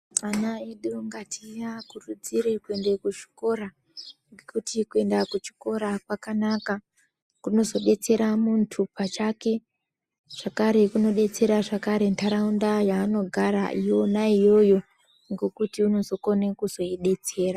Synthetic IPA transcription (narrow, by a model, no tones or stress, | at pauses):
anaiɗuŋɡatʰijakurud͡ziɾekue̞ndekut͡ʃi̥ko̞ɾa | ŋɡekutikue̞ndakut͡ʃi̥ko̞ɾakwakanaka | kuno̞zo̞ɗe̞t͡se̞ɾamuntʰupat͡ʃake̞ | ʐ̥akaɾe̞kuno̞ɗe̞t͡se̞ɾaʐakaɾe̞ntʰaɾaundajaːno̞ɡʱaɾa̰ʔijo̞naijo̞jo̞ | ŋɡo̞kutiuno̞zo̞ko̞nekuzo̞iɗe̞t͡se̞ːra